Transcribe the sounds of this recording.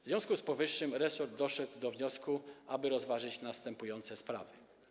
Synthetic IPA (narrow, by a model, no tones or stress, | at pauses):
vzvʲjɔ̃w̃skuspɔvɘʂːɘmɾɛsɔɾd̪̚d̪ɔʂɛɡ̪wd̪ɔvɲɔskuʔabɘɾɔzvaʐɘt͡ɕnast̪ɛmpujɔnt̪sɛspɾa̰vɘ